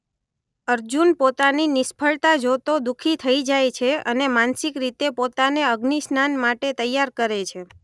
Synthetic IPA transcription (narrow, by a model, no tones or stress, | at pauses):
əɾd͡ʒunpot̪aninɪspʰəɭt̪ad͡ʒot̪od̪ukʰit̪ʰəid͡ʒajt͡ʃʰeə̰nemansikɾit̪epot̪aneəɡnisnanmaʈet̪əjːaɾkəɾet͡ʃʰe